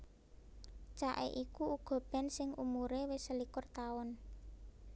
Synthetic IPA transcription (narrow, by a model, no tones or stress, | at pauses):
t͡ʃaʔḛʔikuuɡ̥ɔ̤b̥ɛ̤nsɪŋʔumuɾewesəlikʊrt̪aɔn